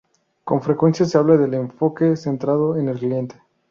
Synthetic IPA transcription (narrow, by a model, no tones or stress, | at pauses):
ko̞ɱfɾe̞kwe̞nsjase̞aβlaðe̞le̞ɱfo̞ke̞se̞nt̪ɾað̞o̞enelklie̞nt̪e̥